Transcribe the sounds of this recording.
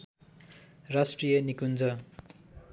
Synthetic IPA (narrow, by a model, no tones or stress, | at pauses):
rasʈrijʌnikund͡zʌ